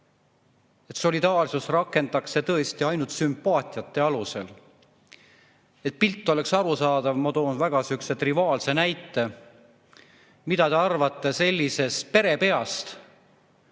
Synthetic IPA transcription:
e̞t̪so̞lid̪ɑːrsusrɑkːˑe̞nd̪ɑkse̞t̪ɤe̞st̪iɑjnult̪sympːɑːt̪ʲˑiɑt̪ːe̞ɑluse̞̰l | e̞t̪̚pilt̪ːˑo̞le̞ksɑɾusɑːd̪̥ɑvmɑt̪o̞ːnvæɡ̥ɑsykse̞t̪rivɑːlse̞næjt̪ːˑe̞ | mid̪ɑt̪e̞ɑrvɑt̪ˑːe̞se̞lʲːise̞st̪pe̞ɾe̞pe̞ɑst̪

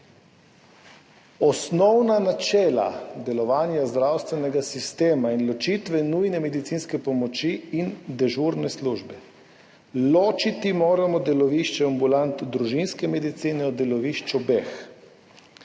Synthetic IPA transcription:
ɔsnɔwnanat͡ʃɛːla̰d̪ɛlɔʋaːnjazd̪ɾawst̪ʋɛnɛɡasist̪eːmainlɔt͡ʃit̪ʋɛnujnɛmɛd̪it̪siːnskɛpɔmɔt͡ʃiːnd̪ɛʒuɾnɛsluʒbɛ | loːt͡ʃit̪imoːɾamɔd̪ɛlɔʋiʃt͡ʃɛambulant̪d̪ɾuʒinskɛmɛd̪it̪siːnɛɔd̪ɛlɔʋiʃt͡ʃɔbex

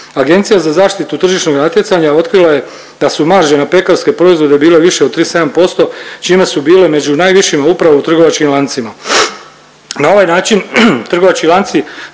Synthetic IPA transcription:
aɡe̞nt̪sijazazaːʃt̪it̪ut̪r̩ʒiʃno̞ɡnat̪je̞t̪saɲao̞t̪kɾilaje̞ | d̪asumaɾʒenape̞kaɾske̞pɾo̞izʋo̞d̪e̞biːle̞ʋiʃeod̪t̪ɾiːse̞d̪ampo̞st̪o̞t͡ʃime̞subiːle̞me̞d͡ʑunaːjʋiʃimaupɾaʋout̪r̩ɡo̞ʋat͡ʃkimlˠant̪sima | nao̞ʋajnaːt͡ʃint̪r̩ɡo̞ʋat͡ʃkilˠant̪si

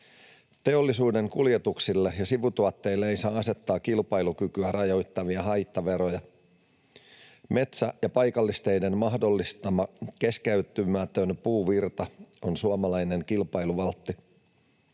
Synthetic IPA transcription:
t̪e̞o̞lːisuːde̞ŋkulje̞t̪uksilːejɑsiʋut̪uɑt̪ːe̞ilːeeisɑːɑse̞t̪ːɑːkilpɑjlukykyærɑjo̞jt̪ːɑʋiɑɦɑjt̪ːɑʋe̞ɾo̞jɑ | me̞t̪sæjɑpɑjkɑlːist̪e̞jde̞nmɑhdo̞lːist̪ɑmɑke̞skeyt̪ymæt̪ø̞npuːʋirt̪ɑo̞nsuomɑlɑjne̞ŋkilpɑjluʋɑlt̪ːi

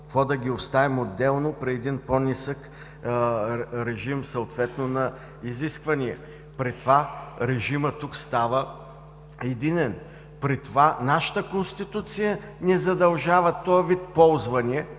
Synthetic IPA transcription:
kvɔd̪ɐɡʲiost̪avimod̪ːɛlˠnopɾiɛd̪inponisək | ɾɛʒimsɐot̪vɛt̪nonɐ | iziskvɐniɛ | pɾit̪ovaɾɛʒimət̪ukst̪avə | ɛd̪inɛn | pɾit̪ovanaʃə̥t̪əkonst̪it̪ut̪sijə | nɛzɐd̪ɐlˠʒavət̪ɔɐvit̪̚pɔlˠzvɐniɛ

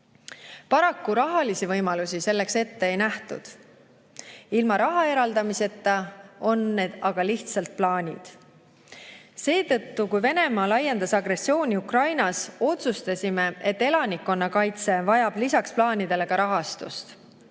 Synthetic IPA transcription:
pɑɾɑkːuɾɑɦɑlisivɤjmɑlusise̞lːe̞kse̞t̪ːe̞ːjnæht̪ṵd̪̥ | ilmɑɾɑɦɑe̞ɾɑld̪ɑmise̞t̪ːˑɑo̞nːe̞d̪̥ɑɡ̥ɑliht̪sɑlt̪̚plɑːnʲid̪̥ | se̞ːt̪ɤ̞t̪ːukujve̞ne̞mɑːlɑjːe̞nd̪ɑsɑɡre̞sːio̞ːnʲiukrɑjnɑso̞t̪sust̪ɑsʲime̞e̞t̪ːe̞lɑnikːo̞nːɑkɑjt̪se̞vɑjɑb̥lisɑksplɑːnʲid̪̥e̞le̞kɑɾɑɦɑst̪ṵst̪

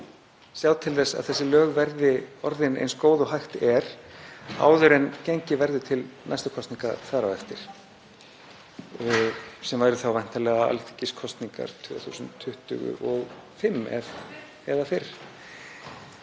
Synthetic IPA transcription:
sjaːwt̪ʰɪlθɛsːa̰ðθɛsːɪlœːɣvɛɾðɪɔɾðɪnḛjnskoːwðʏɦajxt̪ɛɾ̥ | a̰ːwðʏɾɛnceɲcɪvɛɾðʏt̪ʰɪlnajst̪ʏkʰɔst̪niŋkaθaɾawɛft̪ɪɾ̥ | sɛmvajɾʏθawvajn̥t̪alɛɣaa̰lt̪ʰɪ̥ciskʰɔst̪niŋka̰ɾ̥t̪ʰʏθṵːsʏntt̪ʰːʏht̪ʏɣʏ̰ʔɔɣfɪmːɛ̰v | ɛðafɪɾ̥

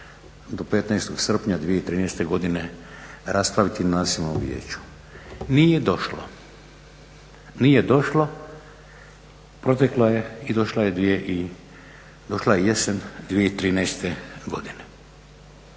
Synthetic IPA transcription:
d̪o̞pet̪najst̪oɡsr̩pɲad̪ʋije̞it̪ɾiːnɛjst̪eɡo̞d̪ine̞ɾʔaspɾaʋit̪inaːziʋnomʋjḛːt͡ɕu̥ | nijed̪o̞ʃlo | nije̞d̪o̞ʃlo | pɾo̞t̪eklajeid̪o̞ʃlaje̞d̪ʋijeʔi | d̪o̞ʃlajejesend̪ʋijeit̪ɾiːnɛjst̪eɡo̞̰d̪ine

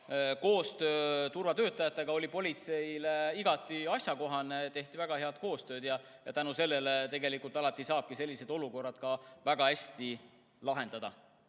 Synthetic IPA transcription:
ko̞ːst̪ø̞ːt̪urvɑt̪ø̞ːt̪ːˑɑjɑt̪ːˑe̞ɡ̥ɑo̞lʲipo̞lʲit̪se̞ileiɡ̥ɑt̪ːˑiɑsjɑko̞ɦɑnet̪e̞ht̪ivæɡ̥ɑɦeɑd̪̥̚ko̞ːst̪ø̞ːd̪jɑ | jɑ̰t̪ænuse̞lːe̞let̪e̞ɡe̞likult̪ɑlɑt̪ːˑisɑːb̥kise̞lʲːise̞d̪o̞luko̞rːɑd̪̥kɑvæɡ̥ɑæsʲt̪i | lɑɦe̞nd̪̥ɑd̪ɑ

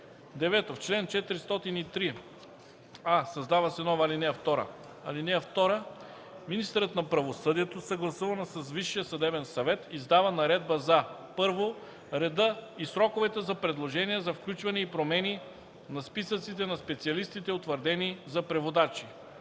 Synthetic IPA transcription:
d̪ɛvɛt̪oft͡ʃlɛnt͡ʃɛt̪ɾist̪ɔt̪init̪ɾi | asɐzd̪avəsɛnɔvɐlinɛft̪ɔɾə̰ | ɐlinɛɛft̪ɔɾə | minist̪əɾət̪nɐpɾɐvosɤd̪iɛt̪osɐɡlˠɐsuvɐnsəzviʃːijəsɐd̪ɛbɛnsɐvɛt̪izd̪avɐnɐɾɛd̪̚bəzɐ | pɤɾvo | ɾɛd̪ɤisɾɔkovɛt̪əzɐpɾɛd̪lˠoʒɛniɛzɐfklʲut͡ʃvɐnɛipɾomɛni | nɐspisət̪sit̪ɛnɐspɛt̪siɐlist̪it̪ɛot̪vəɾd̪ɛnizɐpɾɛvod̪at͡ʃi

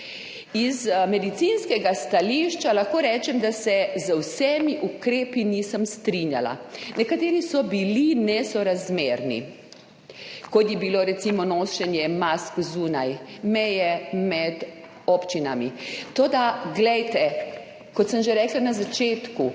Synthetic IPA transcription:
izmɛd̪it̪sinskɛɡast̪aliʃt͡ʃalaxkoːɾɛːt͡ʃɛmd̪asɛzəwsɛmiʔukɾeːpiniːsəmst̪ɾinjala̰nɛkat̪eːɾisɔbilinɛsɔɾazmeːɾnḭ | kɔt̪jɛbiloɾɛt̪simɔnoːʃɛnjɛmaskzunajmɛjɛmɛd̪ | opt͡ʃinamit̪oːd̪aɡlɛjt̪ɛ | kɔt̪səmʒeɾɛːklanazat͡ʃeːt̪ku

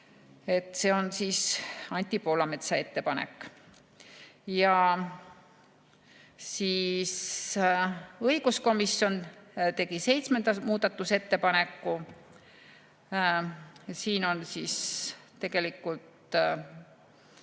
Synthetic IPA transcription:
e̞t̪ːˑse̞ːo̞nsiːsɑnʲt̪ʲˑːipo̞ːlɑmet̪sɑe̞t̪ːe̞pɑnḛkːˑ | jɑ | siːs | ɤiɡ̥usko̞misjo̞nt̪e̞ɡ̥ise̞jt̪sme̞nd̪ɑmuːd̪̥ɑt̪ːˑuse̞t̪ːe̞pɑne̞kːˑu | siːno̞nsiːst̪e̞ɡ̥e̞likːˑult̪

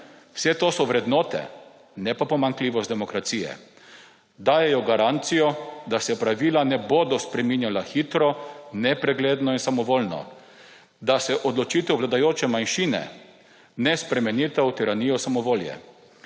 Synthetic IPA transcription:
w̥sɛt̪oːsɔʋɾɛd̪nɔːt̪ɛ̰ | nɛpapɔmaŋkliːʋɔst̪d̪ɛmɔkɾat̪siːjɛ̰ | d̪aːjɛjɔɡaɾant̪sijɔd̪asɛpɾaʋiːlanɛbod̪ɔspɾɛminjalaxiːt̪ɾɔnɛpɾɛɡleːd̪nɔinsamɔʋoːlnɔ̰ | d̪asɛʔɔd̪lɔt͡ʃit̪ɛwʋlad̪ajoːt͡ʃɛmanʃiːnɛ̰ | nɛspɾɛmɛnit̪awt̪iɾaniːjɔsamɔʋoːljɛ̰

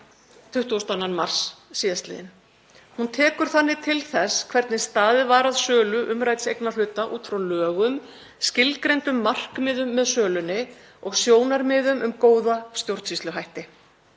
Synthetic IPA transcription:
t̪ʰʏht̪uɔst̪ananmar̥sːiːðast̪lɪ̰ːðɪn | hunt̪ʰɛːkʏɾ̥θanːɪt̪ʰɪlθɛskʰvɛɾt̪nɪst̪aːðɪvaːɾaðsœːlʏʔʏmɾaːjt̪ɪsejknḁlʏːt̪aʔṵːt̪fɾawlœːɣʏm | scɪlkɾejnt̪ʏmːar̥kmɪːðʏmːɛðsœːlʏnːɪ | ɔɣsjoːwnaɾmɪðʏmʔʏmkoːwðast̪jowɾ̥t̪sist̪ʏɦajht̪ɪ

